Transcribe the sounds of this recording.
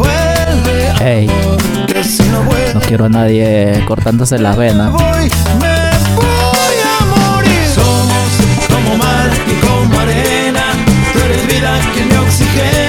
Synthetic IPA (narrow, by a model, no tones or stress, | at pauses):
pwele | ej | kesinoβwenokjeɾoanaðjeko̞ɾt̪and̪ose̞laβenaβoj | mepojamoɾi | somoskomomalkekomaɾe | na | t̪weɾezβiðakemeoksixe